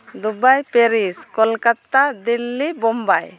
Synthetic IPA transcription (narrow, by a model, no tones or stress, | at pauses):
d̪ubajpɛɾiskɔlkat̪ad̪ilːibɔmbaj